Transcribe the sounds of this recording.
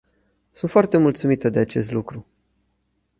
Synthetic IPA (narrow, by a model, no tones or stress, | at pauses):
sunt̪foart̪e̞mult̪sumit̪əd̪e̞at͡ʃe̞st̪lukɾu